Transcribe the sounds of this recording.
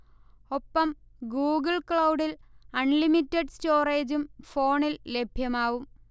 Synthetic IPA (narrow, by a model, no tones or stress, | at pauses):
o̞pːɐm | ɡuːɡɐɭkɭɐwɖilɐɳlimitːeɖstoːreːd͡ʑumfo̞ːɳille̞bʱjɐmaːʋum